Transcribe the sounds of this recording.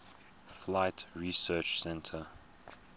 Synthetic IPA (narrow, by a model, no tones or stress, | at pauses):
flaɪtɹisɜːˑt͡ʃsɛ̃ntʰə